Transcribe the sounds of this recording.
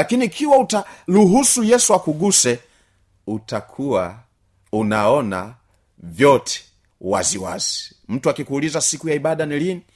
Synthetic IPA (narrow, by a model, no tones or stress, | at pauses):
lakiniːkʰiwautaluɦusujɛsuakuɡusɛ | utakʰuwa | unaɔna̰ | vjɔtʰɛ̥ | wa̰ziwa̰z̥i | m̩tuakikuulizasikujaiɓaɗanilini